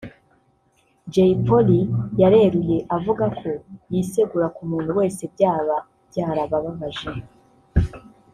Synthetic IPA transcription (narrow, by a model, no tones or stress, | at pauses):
d͡ʒeipo̞lijaɾe̞ːɾuje̞ʔavuɡakʰo̞jise̞ɡuɾakumuːn̥huwe̞ːse̞bɟaːβa | b̥ɟaːɾaβaβaβaʒe